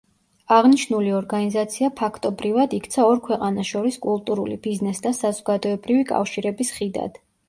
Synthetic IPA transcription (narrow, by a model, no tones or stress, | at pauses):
aʁniʃnuliɔɾɡanizat̪sʰiapʰakʰt̪ʼɔbɾivad̪ikt̪sʰaɔɾkʰwɛqʼanaʃɔɾiskʼulˠt̪ʼuɾulḭbiznɛsd̪asazɔɡad̪ɔɛbɾivikʼa̰fʃiɾɛbisχid̪a̰d̪̥